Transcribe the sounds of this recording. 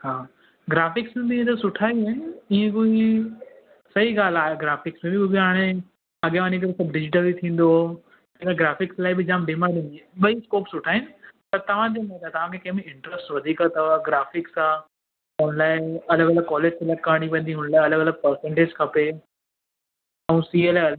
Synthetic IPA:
ɦaː | ɡɾaːfɪksũnd̪iẽt̪ɐsʊʈʰaːiɦɪnɪiɦẽkoːi | sɐɦiɡaːl̤aːɦeɡɾaːfɪksmẽbɪʊɡiɦaːɽ̃ẽ | ɐɠjãɲek̬ɐɾesɐbɖɪd͡ʑɪʈəlbit̪ʰĩːn̆d̪o | eːkaɡɾaːfɪkslaːɪbɪd͡ʑãːmɖiːmaɗɪ̃nd̪ieɓɐiskoːpsʊʈʰaːɦɪnɪ̆pɐɾt̪ɐʋ̤ãd͡ʑ̪ĩmãt̪aːt̪ɐʋ̤ãkʰekɐɦɪ̃meɪ̃ɳʈɾəsʈʋɐd̪ʱiːkət̪ɐaɡɾaːfɪksa | t̪ɐnlaːɪɐləɡɐləɡ̚kːɔːleːd͡ʑk̪ʰɐlɐkaːɽ̃iʋɐ̃ːn̆d̪iɦʊnlaːɪɐləɡɐləɡ̚pɐɾsɛ̃ɳʈeːd͡ʑkʰɐpe | ɐũsiːəl

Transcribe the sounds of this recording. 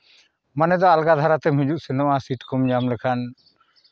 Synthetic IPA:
manɛd̪ɔalɡad̪ʱaɾat̪ɛmɦũd͡ʒuʔsɛnɔʔasiʈkɔmd͡ʒamlɛkʰan

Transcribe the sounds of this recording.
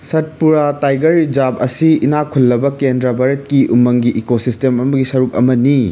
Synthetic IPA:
sɐt̚puɾatajɡɐɾd͡ʒabɐ̰siinakʰulːɐbɐkendɾabaɾɐt̚kiʔumɐŋɡiʔekosistemɐmɐɡisɐɾuk̚ɐ̰mɐni

